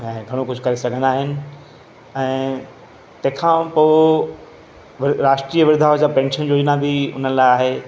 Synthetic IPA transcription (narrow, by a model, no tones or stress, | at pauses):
ɛ̃ːɡʱɐɽ̃okʊd͡ʑʱʊkɐɾesɐɡʱə̃nd̪aːɦɪnɪ̆ | ɛ̃ː | t̪ɐ̃ɦɪ̃kʰãpoː | ʋɪɾaːʃʈɾiːəʋɪɾd̪ʱaːʋd͡ʑapɛ̃ːnʃənd͡ʑoːd͡ʑnabʱɪʊ̰n̤ənlaɪaːɦe